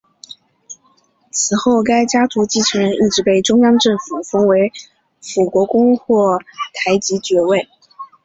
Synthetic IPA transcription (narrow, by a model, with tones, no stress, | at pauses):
t͡sʰɹ̩˨˩xo˥˩ʊka˥ɪt͡ɕja˥t̪u˧˥t͡ɕi˥ʈ͡ʂʰɤ˧˥ŋɻə˧˥ni˥˩ʈ͡ʂɻ̩˧˥pe˥˩ɪʈ͡ʂʊ˥ŋjɑ˥ŋʈ͡ʂɤ˥˩ŋfu˨˩fɤ˥ŋwe˧˥ɪ | fu˨˩kwɔ˧˥kʊ˥ŋxwɔ˥˩t̪ʰa˧˥ɪt͡ɕi˧˥t͡ɕɥɛ˧˥we˥˩ɪ